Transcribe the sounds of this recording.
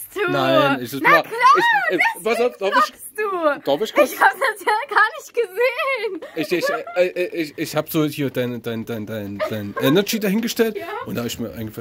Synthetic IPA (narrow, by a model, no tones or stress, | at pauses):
unaɪnɪç̥ɪslaːɪçɛvasaʊfd̥abɪɪ | d̥ud̥aːbɪɪʃkaçhaːbədasjaɡaːɐnɪçt̚ɡ̥əzeːənɪçɪɛʔɪʔɪçɪçhaːbəz̥oːhiːɐd̥aɪnəd̥aɪndaɪnd̥aɪnd̥aɪnʔɛnɐd͡ʒiːdaɦɪnɡəʃtɛltʔʊntd̥aːbɪçmiːɐʔa̰ɪɡŋɡə̥fa